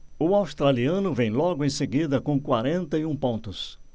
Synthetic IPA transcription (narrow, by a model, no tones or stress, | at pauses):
ʊawst̪ɾaliɐ̃nʊvẽj̃lɔɡʊẽj̃seɡid̪ɐkõkwaɾẽnt̪ɐiũpõnt̪ʊs